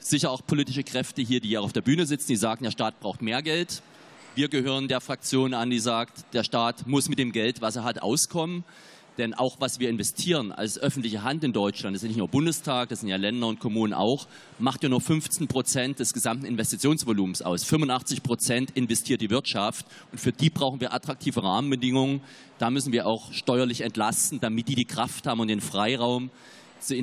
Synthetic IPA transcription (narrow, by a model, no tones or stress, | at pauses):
z̥ɪçɐaʊxpʰoliːtɪʃəkʁ̥ɛftəɦiːɐdiːaʊxaʊfdeːɐbyːnəzɪt͡sn̩diːzaːɡŋ̩deːɐʃtaːt̚b̥ʁaʊxtmeːɐɡɛlt | viːɐɡəhøːʁ̞əndeːɐfʁ̥ak̚t͡sjoːnandiːzaːktd̥eːɐʃtaːtmʊsmɪt̚d̥eːmɡɛltvaseːɐɦatʔa̰ʊskʰɔmən | d̥ɛnʔa̰ʊxv̥asv̥iːɐɪnvɛstʰiːʁəna̰lsʔœfn̩tlɪçəɦantɪndɔʏt͡ʃlantdsɪnɪçnuːɐbʊndəstʰaːk̚d̥aszɪntjaːlɛndɐʊntkʰomuːnənʔa̰ʊx | maχtjaːnuːɐfʏnft͡sn̩pʁ̥ot͡sɛntd̥ɛsɡ̥əzamtn̩ɪnvɛstit͡sjoːnsv̥oluːmsʔa̰ʊsfʏmʊntʔaχt͡sɪçpʁ̥ot͡sɛntʔɪnvɛstʰiːɐt̚d̥iːvɪɐtʃaft | ʔʊntfyːɐdiːbʁaʊxn̩viːɐʔatʁ̥ak̚tʰiːvəʁaːmənbədɪŋʊŋən | d̥aːmʏsn̩viːɐʔaʊxʃtɔʏɐlɪçɛntlastn̩d̥amɪt̚d̥iːdiːkʁ̥afthaːbm̩ʊntd̥eːnfʁ̥aɪʁaʊm | z̥